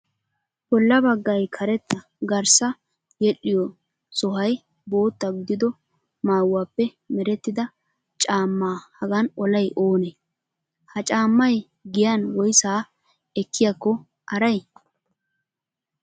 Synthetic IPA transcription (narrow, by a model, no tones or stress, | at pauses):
bɔlːɐbɐɡːɐjkʰɐɾɛt̪ːɐ | ɡɐɾsɐ | jɛᶑɪjɔ | sɔɦɐj | bo̞ːt̪ːɐɡʊd̪ɪd̪ɔ | maːwːaːpːɛ | mɛɾɛt̪ːɪd̪ɐ | t͡ʃʼaːmːaːhɐɡɐnɔlɐjʔo̞ːne | hɐt͡ʃʼaːmːɐj | ɡɪjɐnwɔjsaː | ɛkːɪjakːɔ | ʔɐɾɐj